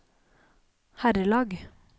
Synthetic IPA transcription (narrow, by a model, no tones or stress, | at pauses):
hæɾəlɑːɡ